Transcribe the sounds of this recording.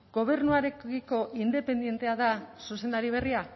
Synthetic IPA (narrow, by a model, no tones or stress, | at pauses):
ɡ̥o̞β̞e̞ɾnuaɾekiko̞ʔind̪e̞pe̞nd̪je̞nt̪e̞aðasusend̪aɾiβ̞e̞ria